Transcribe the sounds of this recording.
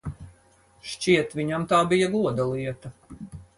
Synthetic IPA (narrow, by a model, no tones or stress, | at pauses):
ʃt͡ʃʲiɛt̪vʲiɲamt̪aːbijɐɡuɔd̪alˠiɛt̪ɐ